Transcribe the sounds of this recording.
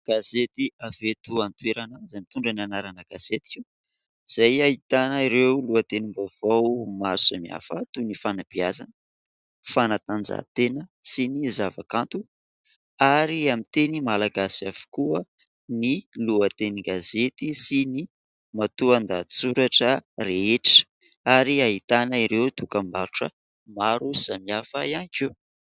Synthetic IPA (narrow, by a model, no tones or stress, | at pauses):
ɡ̥azet̪iavet̪uant̪ueɾanazajmit̪uɳɖ͡ʐananaɾanəɡ̥az̥et̪i̥kʲi | z̥ajait̪anəiɾewluət̪enimbav̥awmaɾsamia̰fət̪unifanab̥iazanə | fanat̪and͡za̰t̪enəsinizava̰kant̪u | aɾiamit̪enimalaɡasiav̥u̥kuə | niluət̪eniɡazet̪isini | mat̪uand̪ai̥t͡suɾaʈ͡ʂəreeʈ͡ʂə̥ | aɾiaɦit̪anaiɾewt̪ukəmaɾuʈ͡ʂə̰ | maɾuz̥amiafaianke